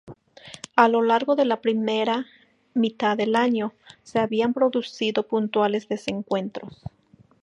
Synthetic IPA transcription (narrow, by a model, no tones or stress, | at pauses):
alo̞laɾɣo̞ðe̞lapɾimeɾa | mit̪aðe̞laɲo̞se̞aβiampɾo̞ðusiðo̞punt̪wale̞zðe̞se̞ŋkwe̞nt̪ɾo̞s